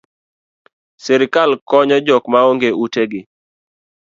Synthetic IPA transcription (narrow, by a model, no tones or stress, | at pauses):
sɛɾɪkalkɔɲɔd͡ʒɔkmaoŋɡeuteɡɪ